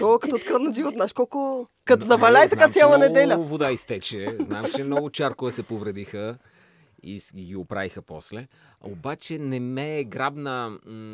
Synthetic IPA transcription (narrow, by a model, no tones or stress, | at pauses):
t̪ɔkɐt̪ot̪kɾat̪nɐʒivot̪znaʃkɔlˠkʊ | kɐt̪ɔzɐvɐlʲajt̪ɐkat̪sʲjalˠɐnɛd̪ɛlʲɐvod̪aist̪ɛt͡ʃɛznaɛmt͡ʃɛmnɔɡʊt͡ʃaɾkʊvəsɛpovɾɛd̪ixə | ḭɡiopɾa̰vixəpɔ̰slɛobat͡ʃɛnɛmɛɡɾabnə